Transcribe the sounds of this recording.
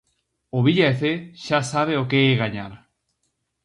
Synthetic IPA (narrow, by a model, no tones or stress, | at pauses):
oβiʎaeθeʃasaβ̞eokeːɣaɲaɾ